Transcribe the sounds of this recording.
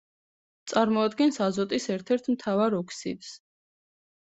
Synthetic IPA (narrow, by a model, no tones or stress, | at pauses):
t̪sʼaɾmɔad̪ɡɛnsazɔt̪ʼisɛɾt̪ʰɛɾt̪ʰmt̪ʰavaɾɔkʰsḭt̪s